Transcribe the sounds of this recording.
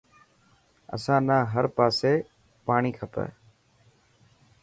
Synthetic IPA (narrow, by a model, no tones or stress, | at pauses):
ə̰sãːnãːɦəɾpaːseː | paːɳiːkʰəpḛː